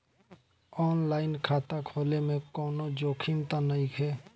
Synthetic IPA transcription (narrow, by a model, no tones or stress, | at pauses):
ɔːnlaːɪnkʰaːt̪akʰoːlemẽkɔːnod͡ʒoːkʰint̪anəikʰeː